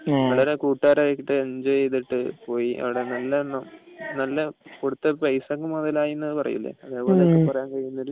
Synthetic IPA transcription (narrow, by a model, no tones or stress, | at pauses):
ʋɐɭɐɾekuːʈːaːɾajekʲːiʈːɨɐɲd͡ʑɐejðiʈːɨpo̞ːjiʔɐ̰ʋiɽe̞nɐlːɐɳːɐnɐlːɐpoɽut̪ːɐpɐjsɐŋːumːɐðɐlaːjinːɐðɨpɐrɐ̰jṵlːḛɐðe̞ːpo̞ːlekːepɐrɐjaːnkɐɻijunːoɾu